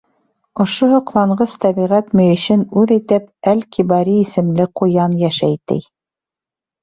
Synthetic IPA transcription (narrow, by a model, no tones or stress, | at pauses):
ŏʃohŏqlˠɑɴɢɤst̪æβiʁæt̪mɵ̆jɘ̆ɕɘnʉðijt̪ɘp̚ælkʰibɑɾiːsɘ̆mlɘqŏjɑnjæʃæjt̪ɘ̰j